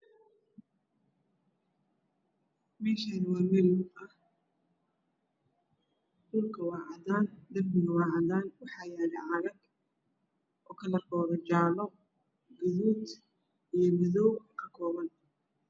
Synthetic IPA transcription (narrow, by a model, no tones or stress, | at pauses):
mɛːʃɐðɪwɑːmɛɾɪʊɐh | dʊlkʰɐwɑːʕɑðaːnd̪ɐrmɪɣɐwɑːʕɑðaːnwɑħɑːjaːɾɛʕɑɾɐɡ | ʔɔːkʰɐlɐrkʰɔːɾɐt͡ʃaːlɔ | ɡʊðuːd̪ | ijɞmɪðɔwkʰɐ̥kʰɔːβɐn